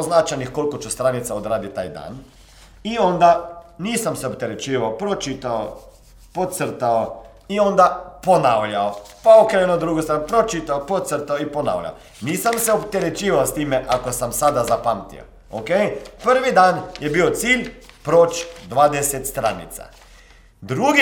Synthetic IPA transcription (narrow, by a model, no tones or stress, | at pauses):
oznaːt͡ʃanixkolkɔt͡ʃɛst̪ɾaːnit̪saod̪ɾaːd̪it̪a̰jd̪a̰n | iɔnd̪aniːsamsɛɔpt̪ɛɾɛt͡ʃiːʋawpɾot͡ʃit̪aw | pot̪səɾt̪aw | iɔ̃nd̪aponawlaw | paokɾeɛnod̪ɾuːɡost̪ɾapɾot͡ʃit̪awpɔt̪t̪səɾt̪awipɔna̰wʎʲa̰w | niːsamsɛopt̪ɛɾɛt͡ʃiːʋawst̪iːmɛʔakɔsamsaːd̪azapamt̪ḭo̰ | o̰kejpəɾʋid̪anjɛbiːwt̪silʲpɾoːt͡ʃd̪ʋaːd̪ɛsɛt̪st̪ɾa̰ːnḭt̪sa̰ | d̪ɾuːɡ